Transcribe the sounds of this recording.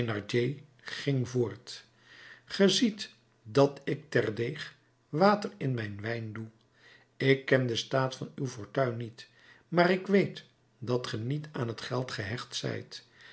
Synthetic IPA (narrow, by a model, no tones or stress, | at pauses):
nɑɹd͡ʒej | χɪŋvʊːɹt | χəzit | dɑtɪk̚tɛrdejχ | ʋaːtərɪnmɛjnʋɛjndu | ɪkːɛndəstaːtfɑnywvʊɹtœɥnit | maːɾɪkʋejt | dɑtχənitaːnɦətχɛlˠtχəɦɛχtsɛ̰jt